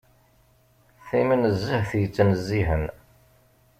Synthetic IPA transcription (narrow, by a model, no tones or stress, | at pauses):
θimənəzːəhθjət͡sːnəzːiɦən